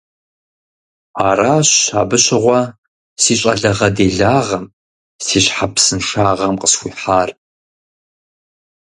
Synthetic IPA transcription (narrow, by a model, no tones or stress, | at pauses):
aːɾaːɕaːbɨɕɪʁʷɔ | siːɕʼɐ̰ɮɐʁɐdeːɮaːʁɐm | siːɕħapsɨnʂaːʁɐmqʼəsxʷiːħaːr